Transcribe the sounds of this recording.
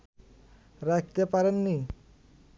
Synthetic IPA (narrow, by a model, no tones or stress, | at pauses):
ɾɛk̚ʰt̪epaɾenːi